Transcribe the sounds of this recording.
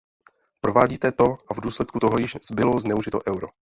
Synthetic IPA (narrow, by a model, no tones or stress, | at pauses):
pɾovaːɟiːt̪ɛt̪o̞ʔavduːslɛt̪kut̪oɦojɪʃz̥bɪloznɛuʒɪt̪oʔɛwɾo